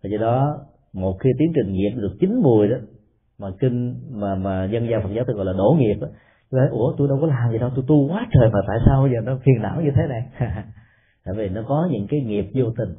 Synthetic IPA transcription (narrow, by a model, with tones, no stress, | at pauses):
vaː˨˩zɔ˧ɗɔ˨˦ | mo˨˩t̚xi˧t̪i˨˦əŋt͡ɕï˨˩ŋ̟ŋi˨˩əp̚ɗɨ˨˩ək̚t͡ɕï˨˦ŋ̟mu˨˩əjɗɔ˨˦ | maː˨˩kï˧ŋ̟maː˨˩maː˨˩ɲə˧nzaː˧fə˨˩t̚zaː˨˦w̪ʰɣɔ˧˨laː˨ɗo̰˧˩ŋi˨˩əp̚ʔaː˨˦ | t̪u˧jt̪ʰə˨˦jʔu˧˩ət̪u˧jɗə˧wkɔ˨˦laː˨˩mzi˨˩ɗɔ˨˦wt̪u˧jt̪u˧kwaː˨˦t͡ɕəː˨˩jmaː˨˩t̪a̰ː˧˨jsaː˧wzəː˨˩nɔ˨˦fi˨˩əna̰ː˧˥wɲɨ˧t̪ʰe˨˦na˨˩jh | t̪a̰ː˧˨jvi˨˩nɔ˨˦kɔ˨˦ɲɨ̰˧˥ŋkaː˨˦jŋi˨˩əp̚zo˧t̪ï˨˩ŋ̟